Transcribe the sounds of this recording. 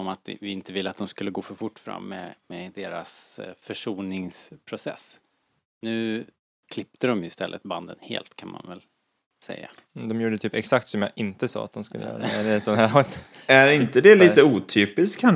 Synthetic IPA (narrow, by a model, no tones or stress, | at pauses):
ɔmat̪vɪɪnt̪əvɪlːəat̪d̪ɔmskɵlːəɡoːfœɾfʊʈːfɾa̰mːɛ̰mɛd̪eːɾa̰sfœʂuːnɪŋspʰɾʊsɛ̰s | nʉ̟ː | kʰlɪp̚t̪əd̪ɔmjɵɪst̪ɛlːʔə̰t̪̚band̪ə̰nhḛːlt̪kʰanma̰nvɛl | sɛ̰jːa̰ | d̪ɔmjuːɖət̪ʰyːpɛksak̚t̪sɔmjɑʔɪnt̪əsɑ̰ːat̪̚d̪ɔmskɵlːə̰jœ̰ːɾaɛæɖɛsɔɛ | æɾɪnt̪əd̪ɛliːt̪əuːt̪ʰyːpɪskkʰːan